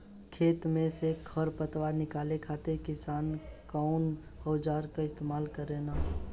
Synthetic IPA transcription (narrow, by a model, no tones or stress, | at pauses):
kʰeːt̪mẽsekʰəɾpət̪waːɾnɪkaːlekʰaːt̪ekɪsaːnkaʊn | hɔːd͡ʒaːɾkaɪst̪eːmaːlkəɾeːnaː